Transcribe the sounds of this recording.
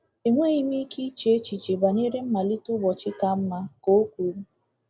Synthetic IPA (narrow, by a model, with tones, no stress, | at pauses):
e˨ŋʷe˦i˦mi˦ki˦t͡ʃe˦e˦t͡ʃi˨t͡ʃe˨ba˨ni˦ɾe˦m̩˦ma˨li˦tʊ˦bɔ˨t͡ʃɪ˦ka˦m̩˦ma˦ko˦kʷu˨ɾu˦